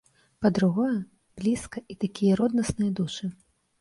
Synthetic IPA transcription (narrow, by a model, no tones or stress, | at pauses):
pɐd̪ɾuɣɔjɐ | b̥lʲiskɐʔit̪akʲijɐɾɔd̪nɐsnɨjɐd̪uʂɨ